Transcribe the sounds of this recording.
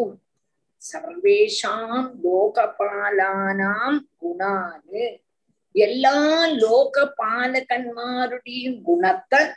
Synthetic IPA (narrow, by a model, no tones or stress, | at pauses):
sɐɾʋeːʂaːmloːkɐpːaːlaːnaːmɡʊɳaːnɯ | ɛlːaːloːɣɐpːaːlɐkɐɳmaːɾɯɽɐjɯmɡʊɳɐt̪ːɐ